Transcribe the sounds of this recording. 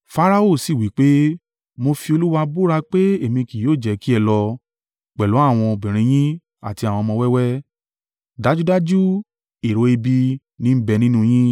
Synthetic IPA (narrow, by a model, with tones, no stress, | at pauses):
fa˧ɾa˧o˦˨si˨wi˨˦k͡pe˦ | mo˧fi˧o˧lu˦wa˧bu˦ɾa˧k͡pe˦e˦˨mĩ˧ki˨joː˦˨d͡ʒɛ˨˦ki˦ɛ˧lɔ˧ | k͡pɛ˨lo˨˦a˦˨w̃ɔ̃˧bĩ˨ɾ̃ĩ˧j̃ĩ˦ | a̰˦˨ti˧a˨wɔ̃˧mɔ̃˧wɛ˦wɛ˦ | da˦d͡ʒu˦da˦d͡ʒu˦ | i˨ɾo˨˧e˧bi˧ | nĩ˦m̩˦bɛ˧nĩ˦nũ˦j̃ĩ˦